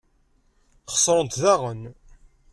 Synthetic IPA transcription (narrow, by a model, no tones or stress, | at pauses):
χə̥sˤɾˤənt̪ðaʁən